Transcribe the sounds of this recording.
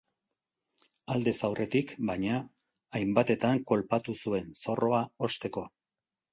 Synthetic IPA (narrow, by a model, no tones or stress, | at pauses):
ald̪e̞sawrʔe̞t̪ikbaɲaː | jmbat̪e̞t̪aŋko̞lpat̪usue̞nso̞rʔo̞ao̞st̪e̞ko̞